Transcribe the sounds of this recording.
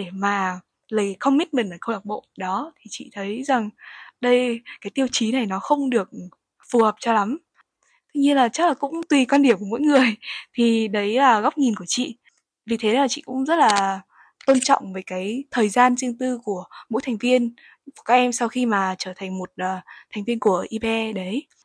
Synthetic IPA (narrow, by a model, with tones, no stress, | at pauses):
ɗe˧˩maː˨˩ | lə˨˩jxə˧wŋ͡mmi˦˥t̚mi˨˩nlaː˨˩xə˧wɗa˨˩k͡p̚ɓo̰˧˨ɗɔ˨˦t̪ʰi˨˩t͡ɕḭ˧˨t̪ʰə˨˦jza˨˩ŋɗə˧jkaː˨˦jt̪i˧əwt͡ɕi˨˦na˨˩jnɔ˨˦xə˧wŋ͡mɗɨ˨˩ək̚ | fu˨˩həː˨˩p̚t͡ɕɔ˧la˨˦m | t̪ʰɨ˧ɲɨ˧nlaː˨˩t͡ɕə˦˥k̚laː˨˩kʊ̰˧˥ŋ͡mt̪wi˨˩kwaː˧nɗi˧˩əmku˧˩mo̰˧˥jŋɨ˨˩əjt̪ʰi˨˩ɗə˨˦jlaː˨˩ɣa˦˥k͡p̚ɲi˨˩nku˧˩ət͡ɕḭ˧˨ | vi˨˩t̪ʰe˨˦laː˨˩t͡ɕḭ˧˨kʊ̰˧˥ŋ͡mzə˦˥t̚laː˨˩ | t̪o˧nt͡ɕɔ̰˧˨wŋ͡mveː˨˦jkaː˨˦jt̪ʰəː˨˩jzaː˧nzɨ˧əŋt̪ɨ˧ku˧˩əmo̰˧˥jt̪ʰa˨˩ŋ̟vi˧ən | ku˧˩kaː˦˥k̚ʔɛ˧msa˧wxi˧maː˨˩t͡ɕəː˧˩t̪ʰŋ̟mo˨˩t̚ːt̪ʰa˨˩jŋ̟vi˧ənku˧˩əʔi˧ɓɛ˧ɗə˨˦j